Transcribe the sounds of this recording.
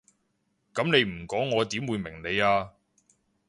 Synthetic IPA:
kɐ˨˥mne˨˧jm̩˨˩kɔː˨˥ŋːɔː˨˧t̪iː˨˥mwuː˨˧jmɪ˨˩ŋne˨˧jaː˧

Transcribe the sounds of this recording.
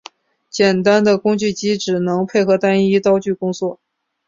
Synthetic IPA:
t͡ɕjɛ˨˩nt̪a˥nd̪ə˨kʊ˥ŋt͡ɕy˥˩t͡ɕi˥ʈ͡ʂɻ̩˨˩nɤ˧˥ŋpʰe˥˩ɪxɤ˧˥t̪a˥ni˥t̪ɑ˥ʊt͡ɕy˥˩kʊ˥ŋt͡swɔ˥˩

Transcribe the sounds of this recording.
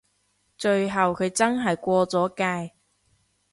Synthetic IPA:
t͡ʃɵ˧ɥɦɐ˨wkʰɵ˨˧t͡sɐ˥nɦɐ˨jkʷɔː˧t͡sɔː˨˥kaː˧j

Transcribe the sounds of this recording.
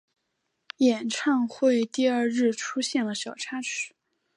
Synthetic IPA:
jɛ˨˩nʈ͡ʂʰɑ˥˧ŋxwe˥˧ɪt̪i˥˧ɐ˞˥˧ɻɻ̩˥˩ʈ͡ʂʰu˥ɕjɛ˥˩nlə˩ɕjɑ˨˩ʊʈ͡ʂʰa˥ʈ͡ʂʰɻ̩˨˩˦

